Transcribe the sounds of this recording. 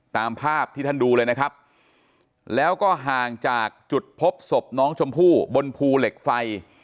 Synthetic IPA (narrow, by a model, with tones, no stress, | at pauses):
t̪aː˧mpʰaː˥˩p̚t̪ʰiː˥˩a˥nduː˧lɤː˧jna˦˥kʰɾa˦˥p̚ | lɛː˦˥wkɔː˥˩ɦaː˨˩ŋt͡ɕaː˨˩k̚t͡ɕu˨˩t̪̚pʰo˦˥p̚so˨˩p̚nɔː˦˥ŋt͡ɕʰo˧mpʰuː˥˩bo˧npʰuː˧le˨˩k̚fa˧j